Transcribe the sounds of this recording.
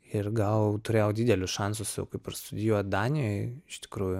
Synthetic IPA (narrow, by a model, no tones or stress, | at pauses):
ɪrɡɐlˠt̪ʊɾʲeːjɛod̪ʲiːd̪ʲɛlʲʊsʃɑnsʊsjɛ̰ʊkɐɪpɐrst̪ʊd̪ʲɪjuːjd̪ɑːnʲɪjoɪɪʃt̪ʲɪ̥kɾuːjʊ